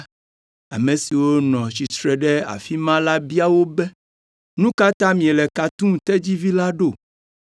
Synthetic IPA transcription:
a˨mẽ˨si˨wo˦nɔ̃˨t͡ɕi˨t̪ɾɛ˨ɖɛ˦a̰˨fi˦mã˦la˦bi˦a˦wo˦bɛ˦ | nũ˦ka˦t̪ã˦mĩ˨e˨lɛ˨ka˨t̪ũ˦t̪ɛ˦d͡ʑi˦vi˦la˦ɖo˦˨

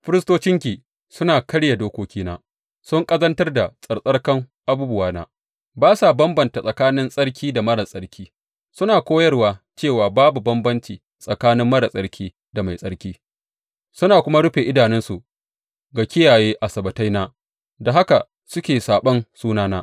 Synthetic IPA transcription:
ɸɪ˦ɾɪ˦stoː˦t͡ʃɪ˦ŋkʲiː˨ | sʊ˦naː˨kɐ˦ɽja˨doː˦kʷoː˦kʲʰiː˦na̰ː˦ | sʊ˦ŋkʼɐ˦zɐ˦ntɐ˦rda˨sʼɐ˨rsʼɐ˦ɽkɐ˦ŋʔa˦buː˦bʊ˦waː˦na̰ː˦ | baː˦sa˨bɐ˦mbɐ˨nta˨sʼɐ˨kaː˦nɪ˦nsʼɐ˦ɽkʲiː˦da˨mɐ˦ɽa˨sʼɐ˦ɽkʲʰiː˦ | sʊ˦naː˨kʷoː˦jɐ˦rwaː˨t͡ʃeː˦˨waː˨baː˦bu˨bɐ˦mbɐ˦nt͡ʃiː˨ | sʼɐ˨kaː˦nɪ˦mːɐ˦ɽa˨sʼɐ˦ɽkʲʰiː˦ | da˨ma˨jsʼɐ˦ɽkʲiː˦ | sʊ˦naː˨kʷʊ˦ma˦ɽʊ˦ɸe˨ʔɪ˦daː˨nɪ˦nsu˨ | ɡa˨kʲɪ˦jaː˨jeː˦ʔa˨sɐ˨bɐ˨ta˦jnaː˦ | da˨ɦa˦ka˨ | sʊ˦kʲeː˨saː˨ɓɐ˦nsuː˦naː˦naː˦ʔ

